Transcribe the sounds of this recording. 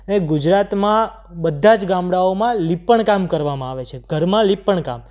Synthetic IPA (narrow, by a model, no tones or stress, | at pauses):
əneɡʊd͡ʒɾat̪mã | bəd̪ʱːad͡ʒɡãmɽaomãlipːəɳkamkəɾʋamãaʋet͡ʃʰeɡʱəɾmãlipːəɳka̰m